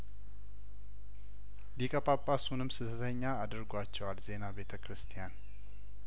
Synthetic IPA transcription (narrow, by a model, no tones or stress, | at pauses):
likʼəpʼapʼːasunɨmsɨd̪ʰət̪ʰəɲːaːd̪əɾɡʷat͡ʃːɛwalze̞nabe̞t̪ʰəkɾɨst̪ʰijan